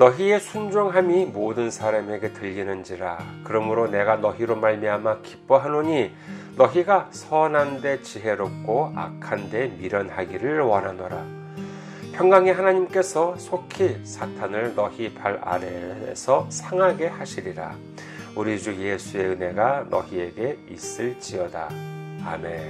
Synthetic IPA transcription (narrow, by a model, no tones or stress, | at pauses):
nʌɦie̞sʰund͡ʑoŋɦamimodɯnsʰaɾame̞ɡe̞tɯʎɡinɯnd͡ʑiɾa̰kɯɾʌmɯɾone̞ɡanʌɦiɾomaɭmiɦamaki̥p͈ʌɦanoɲi | nʌɦiɡasʰʌnande̞t͡ɕiɦe̞ɾop̚k͈ʰoa̰kʰande̞miɾʌnhaɡiɾɯɭwʌnɦanoɾa̰ | pʰjʌŋɡaŋeɦanaɲimk͈e̞sʰʌsʰokʰisʰatʰanɯɭnʌhipʰaɾa̰ɾesʰʌsʰaŋɦaɡe̞haɕʰiɾiɾa̰ | uɾid͡ʑuje̞sʰue̞ɯne̞ɡanʌ̰ɦie̞ɡe̞is͈ɯɭt͡ɕ͈iʌda̰a̰me̞